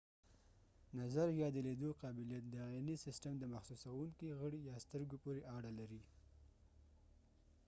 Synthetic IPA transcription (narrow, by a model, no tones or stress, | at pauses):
nazaɾjɑd̪eled̪oqɑbɪljat̪̚d̪əɑinisɪsʈəmd̪əmaxsusawuŋkiɣəɽijɑst̪əɾɡopoɾeʔɑɽalaɾi